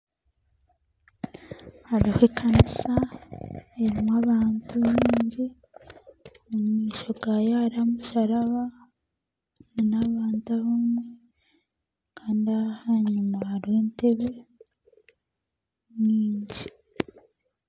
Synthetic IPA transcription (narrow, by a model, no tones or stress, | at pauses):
haɾahwekʰanisa | eɾimwaβaːntuɲiːɲɟi | mumŋiːʃo̞ɡajaɾamuʃaɾaβa | nanaβaːntaβamwe | kʰaːndiahaɲumaaɾeːnteβe | ɲiːɲɟi